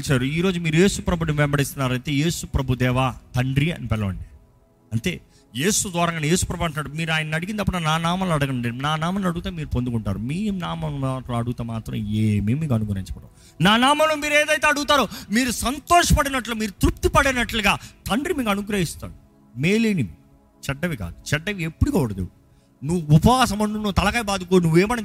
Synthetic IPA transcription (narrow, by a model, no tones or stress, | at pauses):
t͡ʃaːɾuiːɾo̞ːd͡ʒumiːɾuje̞ːsupɾɐbʱud̪ɐmʋɛmbɐɽist̪unːaːɾɐjt̪e̞ːje̞ːsupɾɐbʱud̪ɛːʋaːt̪ɐɳɖɾiɐ̰nipɛlːɐʋɐ̰ɳɖi | ɐnt̪e̞̰ː | je̞ːsud̪ʋaːɾɐŋɡaːnɐje̞ːsu̥pɾɐbʱuɐɳʈunaːɾumiːɾaːjɐnɐnɐɽiɡind̪ɐpːɐnɐnaːnaːmɐloɐɽɐɡɐnuɳɖinaːnaːmɐlɐɽuɡut̪eːmiːɾupond̪ukuɳʈa̰ːɾumiːnaːmɐoʈloɐɽuɡut̪eːmaːt̪ɾɐ̰meːmimiːk̬ɐnuɡɾɐ̰ɦint͡ʃɐ̥pɐʈːɐ̰ː | naːnaːmɐmloːmiːɾeːd̪ɐjt̪e̞ːɐɽuɡut̪aːɾumiːɾusɐnt̪ɔːʂɐpɐɽinɐʈlumiːɾut̪ɾup̚t̪ipɐɽinɐʈluɡaːt̪ɐɳɖɾimiːkɐnuɡɾɐɦist̪a̰ːnu | me̞ːleːni | t͡ʃɛɖːɐʋika̰ːd̪ut͡ʃɛɖːɐʋiepːuɽikɐːuɽɐd̪ḛwu | nuʋuupɐʋaːsɐmɐɳʈunuːt̪ɐlɐkɐːjbaːd̪uk̬oːnuʋːeːmɐnɐ